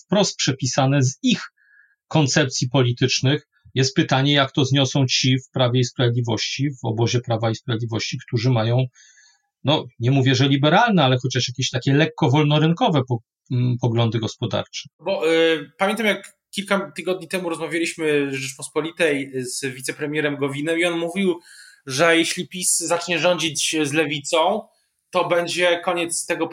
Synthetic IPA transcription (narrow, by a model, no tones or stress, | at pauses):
fpɾɔst̪̚pʂɛpʲisanɛzix | kɔnt̪sɛp̚t̪sʲipɔlʲit̪ɘt͡ʂnɘx | jɛst̪̚pɘt̪aɲɛjakt̪ɔzɲɔsɔ̃w̃t͡ɕifpɾavʲjɛispɾavjed̪lʲivɔɕt͡ɕivɔ̰bɔʑɛpɾavaispɾavʲed̪lʲivɔɕt͡ɕikt̪uʐɘmajɔ̃w̃ | nɔɲɛmuvʲjɛʐɛlʲibɛɾalnɛalɛxɔt͡ɕaʂjakʲeɕt̪akʲɛlɛkːɔvɔlnɔɾɘŋkɔvɛpɔ | pɔɡlɔnd̪ɘɡɔspɔd̪a̰ɾt͡ʂɛ̥bɔpamʲjɛnt̪amjak | kʲːilkat̪ɘɡɔd̪̚ɲit̪ɛmuɾɔzmavʲjalʲiɕmɘʐɘt͡ʂpɔspɔlʲit̪ɛjzvʲit̪sɛpɾɛmʲjɛɾɛmɡɔvʲinɛiɔnmuvʲiwʐɛjɛɕlʲipʲiszat͡ʂɲɛʐɔɲd͡ʑid͡ʑzlɛvʲit̪sɔ̃w̃ | t̪ɔbɛɲd͡ʑɛkɔɲɛt̪st̪ɛɡɔ